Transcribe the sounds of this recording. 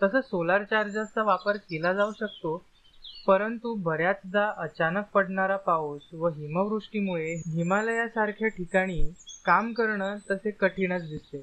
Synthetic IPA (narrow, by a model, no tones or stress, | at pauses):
t̪əsəsolaɾt͡ɕaɾd͡zast̪aʋapəɾkelad͡zauɕək̚t̪o | pəɾənt̪ubʱəɾjat͡sd̪aʔət͡ɕanək̚pəɽɳaɾapaosʋəɦiməʋɾuʂʈimuɭeɦimaləjasaɾkʰjaʈʰikaɽ̃iːkamkəɾɳət̪əsekəʈʰiɽ̃ət͡sd̪ist̪e